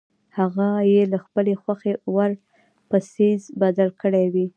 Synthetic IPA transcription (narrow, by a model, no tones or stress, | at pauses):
haɣajelaxpəlexwaxewaɾ | pəsizbad̪alkəɽewi